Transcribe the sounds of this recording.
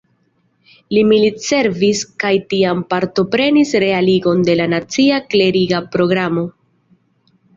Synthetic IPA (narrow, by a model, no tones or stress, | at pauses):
limilitse̞ɾviskajtiampaɾto̞pɾe̞nisɾe̞aliɡo̞nde̞lanat͡siakle̞ɾiɡapɾo̞ɡɾamo̞